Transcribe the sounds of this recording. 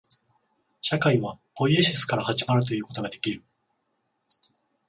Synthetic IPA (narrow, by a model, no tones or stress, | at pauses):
ɕakaiβab̥o̞ieɕisɨ̥kaɾahaʑimaɾɯ̟t̪̬o̞jɯ̟ːko̞t̪o̞ɡad̪e̞kʲiɾɯ̟